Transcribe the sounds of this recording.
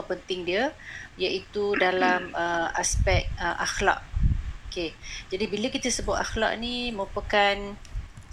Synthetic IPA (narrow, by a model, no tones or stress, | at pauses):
pənt̪ɪŋdiəjaʔit̪udalaməa̰spɛk̚t̪̚əʔaxla̰ʔoked͡ʒadibiləkit̪əsəbat̪axla̰ʔniməɾupəkan